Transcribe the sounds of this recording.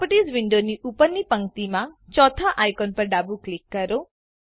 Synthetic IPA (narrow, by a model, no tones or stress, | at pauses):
pəʈizʋɪɳɖoniʔupənipəŋkt̪imãt͡ʃɔt̪ʰaʔajkɔnpəɾɖabuklikːəɾo